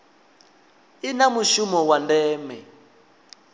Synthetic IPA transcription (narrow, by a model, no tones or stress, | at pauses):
inamuʃumɔwandɛːmɛ